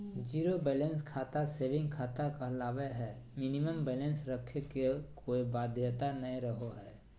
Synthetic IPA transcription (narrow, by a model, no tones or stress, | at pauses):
d͡ʒiːɾobɛːlẽnskʰaːt̪aseːʋɪ̃ŋɡkʰaːt̪akaɦlaːʋeɦɛː | mɪniməmbɛːlẽnsɾəkʰekekʰoːiʋaːd̪ʱjət̪anɐĩɾəɦoɦɛː